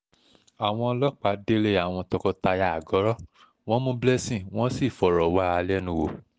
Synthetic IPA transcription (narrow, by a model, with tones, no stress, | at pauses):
a˨w̃ɔ̃˧lɔ˦k͡pa˨˦de˦le˦a˦˨w̃ɔ̃˧tɔ˧kɔ˧ta˧ja˨a˨ɡɔ˨˦ɾɔ˦ | w̃ɔ̃˦mõ˦blɛ˦sĩ˦˨w̃ɔ̃˦si˦˨fɔ˨ɾɔ˨wa˦a˧lɛ˦nũ˧wo˨